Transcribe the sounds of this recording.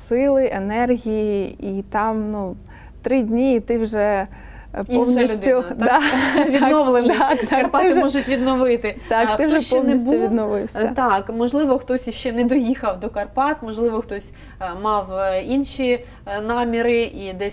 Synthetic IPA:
sɪlˠɪʔenɛrɦʲijiit̪ɑmnu | t̪ɾɪdʲnʲiːt̪ɪwʒɛ | pɔwnʲisʲʊd̪ʲʊdd̪ɑʋʲinɔʋlˠenɑkt̪ɑɐrktpɑɪwʒɛmɔʒʊtʲʋʲid̪nɔʋɪt̪ɪt̪ɑk̪ɪwʒɛʃpɔɛwnisbʲʊʋʲid̪nɔʋɪwsʲɐ̰t̪ɑkmɔʒlˠɪʋɔxt̪ɔsʲiʃt͡ʃɛnɛd̪ɔjixɐwd̪ɔkɐrpɑt̪mɔʒlˠɪʋɔxt̪ɔsʲ | mɑwinʃi | nɑmʲiɾɪʔid̪ɛsʲ

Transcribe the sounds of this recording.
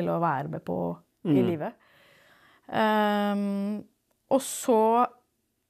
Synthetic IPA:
ɪlɔʋæːɾəmɛpʰɔ̰ | ɪliːʋə | ʔɔsɔ

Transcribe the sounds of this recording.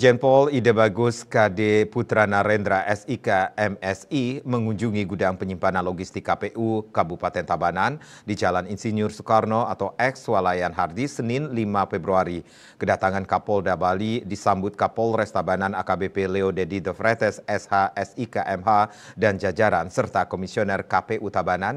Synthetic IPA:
d͡ʒɛnpɔlidabaɡʊskadeput̪ɾanaɾɛnd̪ɾaʔɛsikaɛmɛsiməŋuɲd͡ʒuŋiɡudaŋpəɲimpananlɔɡist̪ikːapeʔukabupat̪ɛnt̪abanan | did͡ʒalaninsinjʊrsu̥karnoat̪awʔɛkswalajanɦardisənɪnlimafɛbɾuaɾi | kədat̪aŋankapɔldabalidisambʊt̪̚kapɔlrɛst̪abananakabepeleodɛdid̪əfɾɛt̪ɛsɛshaɛsikaʔɛmɦa | dand͡ʒad͡ʒaɾansərt̪akomisionɛrkapeʔut̪abanan

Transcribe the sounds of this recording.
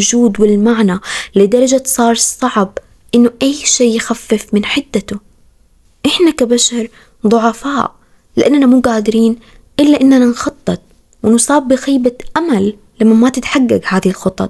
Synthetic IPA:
ʊd͡ʒuːd̪wɪlmaʕnalɪd̪ɑɾˤɑd͡ʒasˤɑːɾˤsˤɑʕb | ʔɪnːʊʔajːʃeːjxafːɪfmɪnħɪd̪ːat̪ʊ | ʔɪħnakabaʃɑɾˤ | ðˤʊʕɑfaːʔ | lɪʔanːanamuːɡaːd̪ɪɾiːn | ʔɪlːaʔɪnːananxɑt̪ˤːɨt̪̚ˤ | wɪnʊsˤɑːbːɪxiːbaʔamalː | amːamat̪ɪt̪ħaɡːaɡhaːðɪhɪlxʊt̪ˤɑ̰

